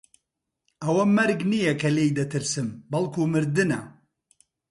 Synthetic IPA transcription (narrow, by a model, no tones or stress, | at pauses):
ɐwɐmɐɾɡnijɐkʰɐleːjd̪ɐt̪ʰɨɾsɨmbɐlˠkʰuːmɨɾd̪ɨnɐ̰